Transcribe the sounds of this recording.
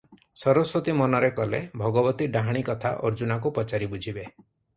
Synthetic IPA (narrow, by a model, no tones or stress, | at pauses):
sɔɾɔswot̪imɔnɔɾekɔlebʱɔɡɔbɔt̪iɖaɦaɽ̃ikɔt̪ʰa̰ʔɔ̰ɾd͡ʒunakupɔt͡ʃaɾibud͡ʒʱibe